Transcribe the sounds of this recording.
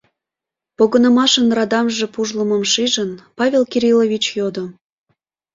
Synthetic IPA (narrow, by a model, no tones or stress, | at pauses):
poɣənəmɑʃənrɑd̪ɑmʒe̽puʒlə̆məmʃiʒənpɑvʲelkiɾʲilovʲit͡ɕjod̪o